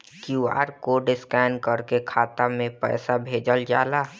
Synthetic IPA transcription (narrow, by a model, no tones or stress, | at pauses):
kua̰ːɾkoɖɪskɛɪnkəɾkekʰaːt̪amẽpɛ̰ːsabʱeːd͡ʒəld͡ʒaːlaː